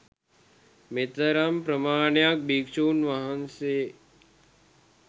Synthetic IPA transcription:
met̪əɾɐmpɾɐmaːɳjak̚biːkt͡ʃuːnʋaɦɐnse

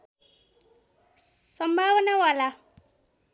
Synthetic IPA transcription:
sʌmbʱawnawala

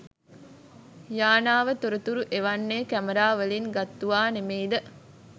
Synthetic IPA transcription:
jaːnaːʋət̪oɾut̪uɾuʔeʋanːeːkæməɾaːʋəlinɡat̪ːuʋaːnemejd̪ə

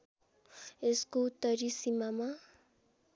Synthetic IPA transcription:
eskoʊt̪ːəɾisimamã

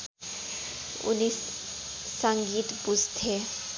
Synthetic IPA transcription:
ʊ̰ni | sə̃ŋɡiːt̪bʊzt̪ʰe

